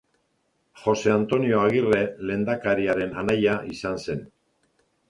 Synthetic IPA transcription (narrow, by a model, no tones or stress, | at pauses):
χo̞se̞ant̪o̞nio̞aɣire̞le̞ːnd̪akaɾiaɾe̞nanajaisanse̞n